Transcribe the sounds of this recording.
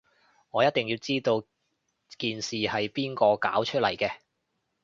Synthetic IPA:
ŋɔː˨˧jɐ˥t̚t̪ɪ˨ŋjiː˧wt͡siː˥t̪o˧w | kiː˨nsiː˨hɐ˨jpiː˥nkɔː˧ka̰ː˨˥wt͡ʃʰɵ˥t̚lɐ˨˩jkɛː˧

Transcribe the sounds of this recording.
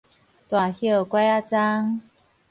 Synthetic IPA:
t̪wa˨˩hjə˥˧˩kwe˥˦a˦˧t͡sa˦ŋ

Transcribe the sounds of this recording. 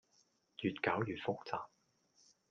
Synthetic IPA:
jyː˨t̚kaː˨˥wjyː˨t̚fʊ˥k̚t͡saː˨p̚

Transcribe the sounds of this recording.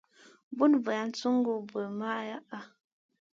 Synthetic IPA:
bu˦nvə˨a˨n̩˦t͡su˦ŋ˦ɡu˦˨bə˨ma˦ʔja˦ʔa˦

